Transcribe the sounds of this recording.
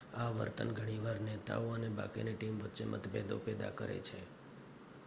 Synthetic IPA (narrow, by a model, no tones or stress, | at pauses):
aʋə̰ɾt̪ənɡʱəɽ̃iʋaɾnet̪a̰oəneba̰kineʈimʋət̪ːt͡ʃemʔə̰t̪ʰbed̪o̰ped̪a̰kəɾḛt͡ʃʰe